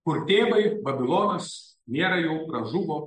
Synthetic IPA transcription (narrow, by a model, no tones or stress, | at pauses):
kʊɾt̪ʲeːbɐɪbɐbʲɪlˠoːnɐs | nʲeːɾɐjɛʊɾɐʒuʋo